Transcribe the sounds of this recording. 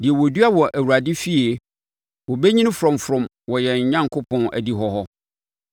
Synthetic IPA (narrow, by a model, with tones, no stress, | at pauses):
dɪ˨ɛ˨wɔ˨du˦a˦wɔ˨ʔæ˨wu˨ɾa˨dɪ˦fi˦e˨ | wɔ˨bɛ˦ɲĩ˦nɪ̃˦fɾɔ̃˨mfɾɔ̃˨m | wɔ˨jɛ˨ɲ˨ɲã˦ŋkʰʊ˦pʰɔ̃˨næ̰˨di˨ɦɔ˦ɦɔ˦